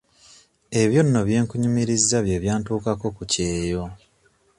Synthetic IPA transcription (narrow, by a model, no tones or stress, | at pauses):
e̞βjo̞nːo̞βje̞ːŋkuɲumiɾizːaβjeβjaːntuːkako̞kuce̞ːjo̞